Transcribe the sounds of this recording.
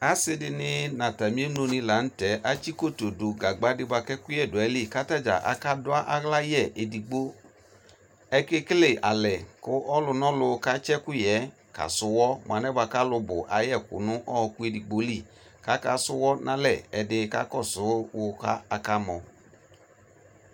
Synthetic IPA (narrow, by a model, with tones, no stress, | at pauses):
a˨˦sɪ˧dɪ˧nɪ˧na˨ta˨mĩ˦e˦no˧nĩ˧la˨˦n̩˦tɛ˨˦ʔa˦t͡ʃi˦ko˦˨to˨do˨ɡa˨ɡ͡ba˨˦dɪ˧ba˧kɛ˦kʊ˦jɛ˦˨dʊ˨ɛ˨˦li˦˨ka˦ta˦˨d͡ʒa̰˨ʔa̰˨ka˦dʊ˦a˦ʔa˦ɣla˦jɛ˦˨ʔe˨di˨ɡ͡bo˦ | ɛ˧ke˦kɪ˦le˦˨ʔa̰˨lɛ˨kʊ˦ʔɔ˦lʊ˧nɔ̃˦lʊ˧ka˦t͡ʃɛ˦ku˦jɛ˨˦ | ka̰˨sʊ˦wɔ˦m˨a˨˧nɛ˦ba˧ka˦lʊ˧bʊ̰˨ʔa˨˦jɛ˦˨kṵ˨nʊ̃˨˦ʔɔ˦˧ku˦e˧di˨ɡ͡bo˨˦li˦˨ | ka˨˦ka˦sʊ˦wɔ˦nʔã˦lɛ˦˨ɛ˧dɪ˧ka̰˦kɔ˦˨sʊ˨˦wʊ˧ka˦a˧ka˦mɔ˧